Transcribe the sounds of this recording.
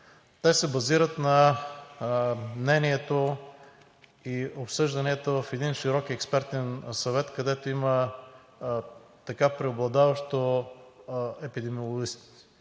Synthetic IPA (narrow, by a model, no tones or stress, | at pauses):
t̪ɛsɛbɐziɾət̪nɐ | mnɛniɛt̪o | iopsɤʒd̪ɐniɛt̪ovəfɛd̪inʃiɾɔkiɛkspɛɾt̪ɛnsɐvɛt̪kɐd̪ɛt̪oimə | t̪ɐkapɾɛoblˠɐd̪avɐʃt̪o | ɛpid̪ɛmiolˠoɡist̪